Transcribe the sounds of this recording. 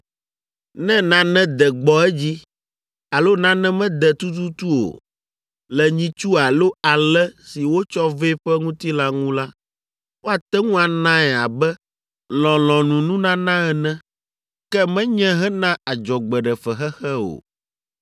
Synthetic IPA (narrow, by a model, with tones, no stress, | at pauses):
nɛ̃˦nã˦nɛ̃˦d̪ɛ˨ɡ͡bɔ˦ɛ˦d͡ʑi˦ | a˨lo˦nã˦nɛ̃˦mɛ̃˦d̪ɛ˨t̪u˦t̪u˦t̪u˦o̰˨ | lɛ˨ɲĩ˦t͡ʃu˦a˨lo˦a˨lɛ˦si˨wo˦t͡ʃɔ˦ve˦ɸɛ˦ŋũ˦t̪i˦la˦ŋũ˦la˦ | wʔo˦a˨t̪ɛ˦ŋũ˦a˨nã˦ɛ˨a˨bɛ˦ | lɔ̃˨lɔ̃˨nũ˨nũ˦nã˦nã˦ɛ˨nɛ̃˦ | kɛ˦mɛ̃˦ɲɛ̃˦ɦɛ˦nã˦a˨d͡ʒɔ˨ɡ͡bɛ˨ɖɛ˨fɛ˨xɛ˦xɛ˦o̰˨